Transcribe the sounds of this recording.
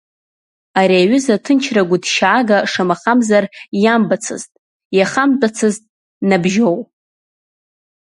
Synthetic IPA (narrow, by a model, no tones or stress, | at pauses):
aɾiaɥʊzatʰɨnt͡ʃʰraɡʷʊdʃaːɡaʂamaχamzarjambat͡sʰɨ̰ztʼ | jaχamt͡pʼat͡sʰɨztʼ | nabʒow